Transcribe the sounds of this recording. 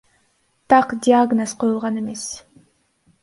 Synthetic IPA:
t̪ɑqdʲiaɡnosqʰo̞julˠʁɑne̞me̞s

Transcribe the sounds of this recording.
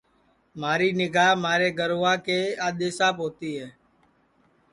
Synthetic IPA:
maːɾiːnɪɡaːɦmaːɾeːɡəɾoʋãːkeːaːɗ̪eːsaːpɦoːt̪iːɦɛː

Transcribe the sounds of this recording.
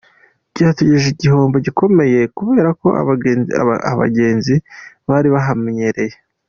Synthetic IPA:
ɟɟaːteɟeʒiɟiɦo̞ːmbo̞ɟiko̞me̞je̞kuβe̞ːɾako̞̰a̰ | a̰βa̰ɟe̞ːnzi | βaɾiβaɦamɲeɾe̞je

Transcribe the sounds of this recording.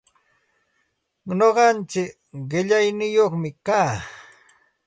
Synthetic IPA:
noɢɑnt͡ʃɪk | ɢɪʎajnɪjoχmɪkaː

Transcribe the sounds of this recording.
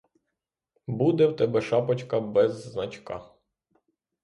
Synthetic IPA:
bud̪ɛwt̪ɛbɛʃɑpɐt͡ʃkɐbɛznɐt͡ʃkɑ̰

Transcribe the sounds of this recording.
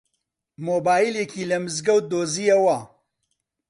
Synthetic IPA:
moːbaːjilekʰiːlɐmɨzɡɐwd̪oːzijɐwɐ

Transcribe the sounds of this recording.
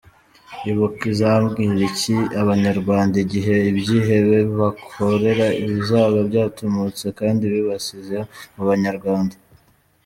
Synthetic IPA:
iβukizaambɡiːɾiciaβaɲaɾɡwaːndaiɟiɦe̞ibjiːɦe̞βe̞ββakʰoɾe̞ɾaiβizaːβabɟaːtʰomut͡sekaːndiβiβasizemuβaɲaɾɡwaːnda

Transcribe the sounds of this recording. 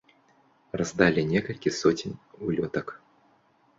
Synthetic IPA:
razd̪alʲinʲɛkɐlʲkʲisɔt͡sʲinʲulʲɔt̪ɐk

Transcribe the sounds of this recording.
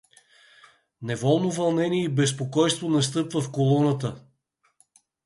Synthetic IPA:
nɛvɔlˠnovɐlˠnɛniɛibɛspokɔjst̪vonɐst̪ɤpvəfkolˠɔnət̪ə

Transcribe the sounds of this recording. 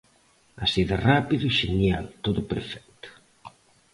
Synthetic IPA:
asiðorapiðʊiʃenjalt̪oðʊpḛɾfɛk̚t̪ʊ̥

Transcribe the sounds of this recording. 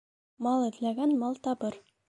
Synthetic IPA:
mɑlˠɘ̆d̪læɡænmɑlˠt̪ɑbɤɾ

